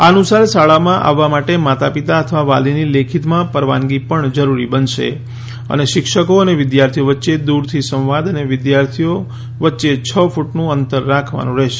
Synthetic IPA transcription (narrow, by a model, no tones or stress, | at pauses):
anusaɾsaɭamãʔa̰ʋːamaʈemat̪apit̪aət̪ʰʋaʋalinilekʰit̪mãpəɾʋa̰nɡipəɳd͡ʒəɾuɾibənʃḛ | ə̰neʃɪkʃəkoəneʋɪd̪jaɾt̪ʰijoʋətːʃed̪uɾt̪ʰisə̃wʋad̪əneʋɪd̪jaɾt̪ʰijo | ʋətːʃet͡ʃʰəfuʈnũənt̪əɾːakʰʋa̰nũɾəɦʃe̥